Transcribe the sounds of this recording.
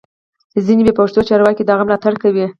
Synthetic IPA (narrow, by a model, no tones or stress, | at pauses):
zinebepaʂt̪ot͡ʃɑɾwɑkid̪ɑɣamlɑt̪aɽkawi